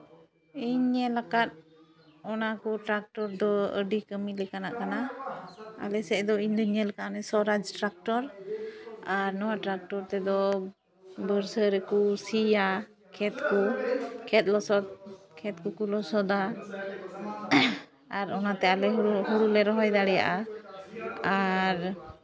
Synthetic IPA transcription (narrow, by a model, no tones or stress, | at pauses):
iɲːɛlakat̪̚ | ɔnakuʈɾak̚ʈɔɾd̪ɔəɖikəmilɛkana̰ʔkana | a̰lɛsɛʔd̪ɔiɲd̪ɔɲɛlakaʔnɛsɔɾad͡ʒʈɾak̚ʈɔɾ | aɾnɔwaʈɾak̚ʈɔɾt̪ɛd̪ɔ | bəɾsəɾɛkusija | kʰɛt̪kukʰɛt̪̚lɔsɔd̪̚ | kʰɛt̪̚kukulɔsɔd̪a | aɾɔnat̪ɛalɛɦhuɾulɛɾɔɦɔjd̪aɽɛja̰ʔa | aɾ